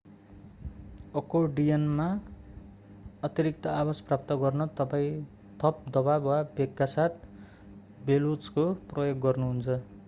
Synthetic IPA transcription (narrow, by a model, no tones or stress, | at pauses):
ʌkoɖijʌnma | ʌt̪ʌɾik̚t̪ʌabasprap̚t̪ʌɡʌrnʌt̪ʌpaĩ | t̪ʰʌp̚d̪ʌbabwabekːasat̪̚ʰ | belot͡skoprʌjoɡːʌrnuɦunt͡sʰʌ